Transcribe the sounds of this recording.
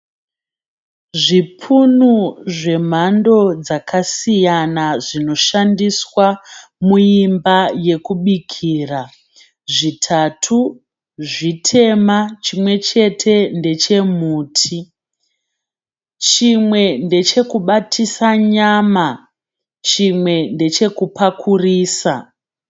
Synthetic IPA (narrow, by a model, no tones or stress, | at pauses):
ʐipʰunuʐe̞m̤ando̞d͡zakasijanaʐino̞ʃandiswamuimbaje̞kuɓikʰiːra | ʐitʰatʰu | ʐitʰe̞mat͡ʃimwe̞t͡ʃe̞tʰe̞nde̞t͡ʃe̞muːtʰi | t͡ʃimwe̞nde̞t͡ʃe̞kuɓatʰisaɲama | t͡ʃimwe̞nde̞t͡ʃe̞kupakʰuriːsa